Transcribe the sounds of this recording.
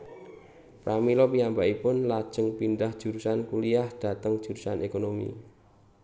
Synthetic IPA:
pɾʔamilɔpiambaʔipʊnlad̥ʒ̥ə̤ŋpind̪ahd̥ʒ̥ṳɾusankuliahd̪̥ä̤t̪əŋd̥ʒ̥ṳɾusanekonomḭ

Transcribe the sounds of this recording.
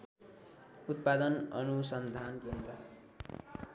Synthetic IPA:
ut̪̚pad̪ʌnʌnusʌnd̪ʱankend̪rʌ

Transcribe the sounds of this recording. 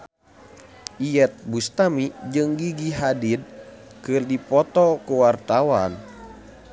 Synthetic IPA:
ʔijɛt̪̚bust̪amid͡ʒɨŋɡiɡiɦadid̪̚ | kɨrdipɔt̪ɔkuwart̪awan

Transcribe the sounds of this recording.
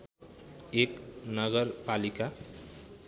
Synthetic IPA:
eknʌɡʌɾpalika

